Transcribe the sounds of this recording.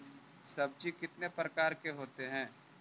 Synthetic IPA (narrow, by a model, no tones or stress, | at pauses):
sɐb̚d͡ʒikɪt̪nepɾəkaːɾkeɦoːt̪eɦɛ̃ː